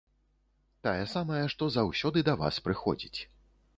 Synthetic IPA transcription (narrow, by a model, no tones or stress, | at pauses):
t̪ajɛsamɐjɐʂt̪ɔzawsʲɔd̪ɨd̪ɐva̰spɾɨxɔ̰d͡zʲit͡sʲ